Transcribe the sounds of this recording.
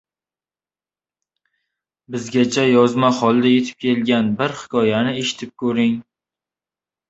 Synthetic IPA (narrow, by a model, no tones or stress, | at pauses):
bɪzɡʲat͡ʃʰajɒzmaχɒlˠd̪aje̞t̪ʰɪ̥p̚kʲʰe̞lɡʲanbɪɾhɪ̥kʰɒjanɪeʃɪ̥t̪ʰɪp̚kʰɵɾɪŋ